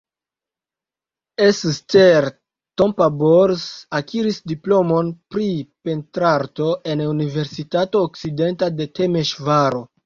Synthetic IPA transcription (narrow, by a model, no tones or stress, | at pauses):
essteɾ | to̞mpaboɾsakʰiɾisdiplo̞mo̞npɾipe̞ntɾaɾto̞ʔe̞nunive̞ɾsitato̞ːk̚side̞ntade̞te̞me̞ʃvaɾo̞